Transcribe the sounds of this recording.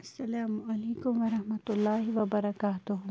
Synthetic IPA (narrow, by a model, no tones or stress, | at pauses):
ɐsːɐlaːmɐleːkʊmʋɐɾɐhmɐt̪ʊlːaːɦiʋɐbɐɾɐkaːt̪ʊɦʊ